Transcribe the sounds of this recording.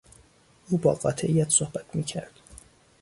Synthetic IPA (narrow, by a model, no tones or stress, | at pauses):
ʔuːbɒ̰ːɢɒ̰ːt̪ʰeʔijæt̪ʰsohbæt̪ʰmiːcʰæɾd̪̥